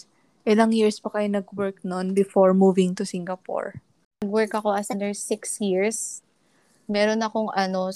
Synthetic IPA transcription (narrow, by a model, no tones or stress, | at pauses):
ʔɛd̪ɐŋjiɹspɐkɐjonɐɡwɛɹk̚nonbɪfoɹmuːvɪŋt̪ʊsiŋɡɐpo̰ɹ | ɐɡwɛɹkɐko̞ɐsɐnd̪ɛɹsɪksjiɹs | mɛɾonɐkoŋʔɐno